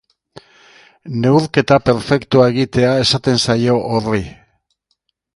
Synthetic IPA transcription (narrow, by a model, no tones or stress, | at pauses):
ne̞uɾke̞t̪ape̞ɾfe̞kt̪uae̞ɣit̪e̞ae̞sat̪e̞nsajo̞ʔori